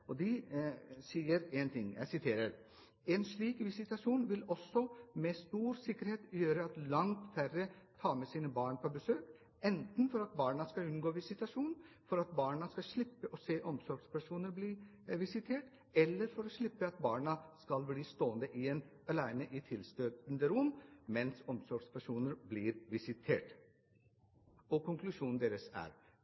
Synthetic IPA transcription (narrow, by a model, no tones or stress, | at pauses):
ɔd̪ɪ | siːəɾɛnt̪ʰɪŋːjæ̰ɪsɪt̪ʰeːɾəɾ | ɛnʂɭiːkʋɪsɪt̪ɑʂuːnʋɪlɔsːɔmɛst̪uːɾsɪkːəɾheːt̪jøːɾəɑt̪lɑŋt̪færət̪ʰɑːmɛsiːnəbɑːɳpʰɔbəsøːk | ɛnt̪n̩fɔɾɑt̪̚bɑːɳɑskɑlʉnɡoːʋɪsɪt̪ɑʂuːn | fɔɾɑt̪̚bɑːɳɑskɑʂɭɪpːəʔɔseːʔɔmsɔɾɡspʰæʂuːnəɾbli | ʋɪsɪt̪ʰeːʈ | ɛlːəɾfɔɾɔʂɭɪpːəɑt̪bɑːɳɑskɑlbliːst̪oːənd̪əʔɪen | ɑlæɪnəʔɪt̪ʰɪlst̪øːt̪nd̪əɾʊmːmɛnsɔmsɔɾɡspʰæʂuːnəɾbliːɾʋɪsɪt̪ʰeːʈ | ɔkʊŋklʉʂuːnn̩d̪eːɾəsæ̰ːɾ